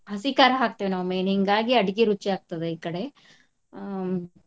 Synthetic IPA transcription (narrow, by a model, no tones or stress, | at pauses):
ɦɐsikaɾaɦaːk̚t̪ɐʋenaʋmeːniŋɡaːɡiɐɽɡiɾut͡ʃːiaːɡ̚t̪ɐd̪eikɐɽe